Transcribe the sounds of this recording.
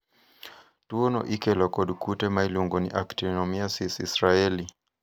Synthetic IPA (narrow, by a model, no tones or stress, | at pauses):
tuɔnɔ̰ʔikɛlɔkɔɗukutɛmailuŋɡɔnḭʔaktinɔmiasisisɾaɛli